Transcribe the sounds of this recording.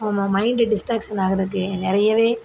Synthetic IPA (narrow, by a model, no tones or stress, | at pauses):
ɔmɐmɐɪɳɖɖɪsʈaːksɐnaːɣɐɾɐðɯk̬ːɯnɪɾɐjɐʋeː